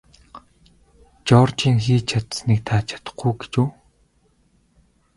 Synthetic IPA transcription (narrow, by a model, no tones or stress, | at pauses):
t͡ɕɔːrt͡ɕiːŋxiːt͡ɕʰat̪snik̚t̪ʰaːt͡ɕʰḁt̪ə̥̆χɡuɡe̥t͡ɕuː